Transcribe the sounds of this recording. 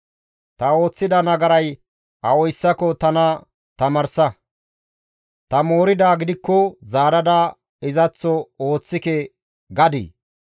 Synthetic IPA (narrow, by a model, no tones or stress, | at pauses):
t̪ɐo̞ːt͡sːɪd̪ɐnɐɡɐɾɐj | ɐ̰ɔjsːɐkɔt̪ɐnɐ | t̪ɐmɐɾsɐ | t̪ɐmo̞ːɾɪd̪aːɡɪd̪ɪkːɔzaːɾɐd̪ɐ | ɪzɐt͡sːɔo̞ːt͡sːɪkɛ | ɡɐd̪ḭː